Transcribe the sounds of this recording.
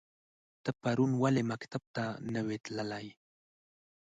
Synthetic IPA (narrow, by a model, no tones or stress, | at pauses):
t̪əpaɾunwalemakt̪ab̚t̪anəwet̪lalaj